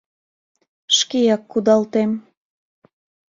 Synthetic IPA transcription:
ʃkejɑkːud̪ɑlt̪em

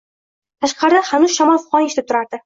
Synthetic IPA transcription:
t̪ʰaʃqɑɾɪd̪aχanʊzʃamɒlˠfʊqɒneʃt̪ɪp̚t̪ʊɾaɾd̪ɪ

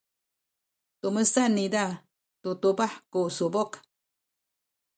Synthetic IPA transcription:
t̪uməsanid̪a | t̪ut̪ubahkusubok

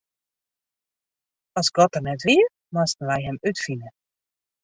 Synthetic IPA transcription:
ɔsɡɔt̚ərnɛtʋiə | mastən̩lajɦɛmytfinə

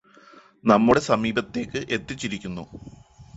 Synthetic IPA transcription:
nɐmːuɽe̞sɐmiːbɐt̪ːe̞ːkːɨʔe̞t̪ːit͡ɕːiɾikʲːunːṵ

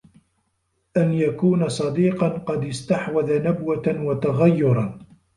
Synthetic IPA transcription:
ʔanjakuːnasˤɑd̪iːqɑnqɑd̪ɪst̪aħwaðanabwanwat̪aɣajːʊɾˤɑn

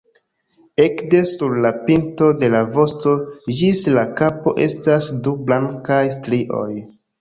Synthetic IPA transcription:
e̞kdesuɾlapinto̞de̞lavo̞sto̞d͡ʒislakapo̞̰ʔe̞̰stasdublaŋkajstɾiʔo̞̰j

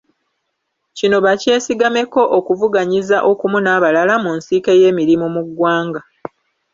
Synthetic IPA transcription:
cino̞βace̞ːsiɡame̞ko̞ʔokuvuɡaɲizaʔo̞kumunaːβalalamunsike̞je̞ːmiɾimumuɡwaːŋɡa

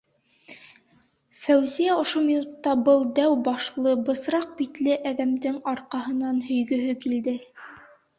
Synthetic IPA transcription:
fæwzijæŏʃomʲinut̪ːɑbɤlˠd̪æwbɑʃlˠɤbɤ̆sɾɑq̚bit̪lɘʔæðæmd̪ɘŋɑɾqɑɦɤ̆nɑnhɵ̆jɡɵ̆ɦɵkild̪ɘ

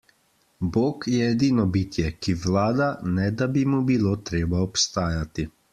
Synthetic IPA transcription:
boːkjɛːd̪iːnɔbiːt̪jɛkiʋlaːd̪anɛd̪abimubiloːt̪ɾeːbaɔpst̪aːjat̪i

